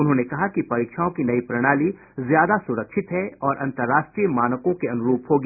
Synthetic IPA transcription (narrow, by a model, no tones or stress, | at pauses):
ʊnɦõːnekɐɦakipɐɾiːkʃaːõkinɐipɾɐɽ̃aːli | zjaːd̪asʊɾəkʃʰɪt̪ɦɛɔːɾʔɐ̰̃nt̪əɾːaːʃʈɾiːjəmaːnəkõkeɐnʊɾuːpɦoːɡiː